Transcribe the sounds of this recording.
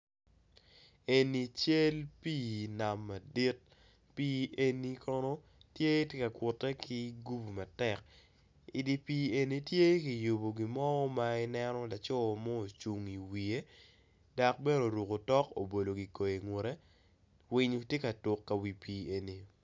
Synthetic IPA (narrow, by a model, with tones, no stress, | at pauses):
e˨ni˨t͡ʃe˦lpiː˦na˨mːa˨di˦t̚ | piː˦ʔe˦ni˦kɔ˦no˦ | tje˦tje˦ka˨kʊ˨tːɛ˦kʰi˦ɡu˦bu˨ma˨tɛ˨k̚ | i˨di˦pi˦e˨ni˦tje˦ki˨ju˨bo˨ɡi˨mɔ˦ɔ˦ma˦ɪ˦nɛ˦nɔ˦la˨t͡ʃɔ˦˨mɔ˦o˨t͡ʃu˨ŋi˨wi˨e˦ | da˨k̚be˦ɾo˨ɾu˨ko˨tɔ˦ko̰˨bo˨lo˨ɡi˨ko˨je˨ŋwo˨ɾe˦ | wi˦ɲ˦tje˦ka˨tʊ˨kːa˨wi˨piː˨e˨ni˨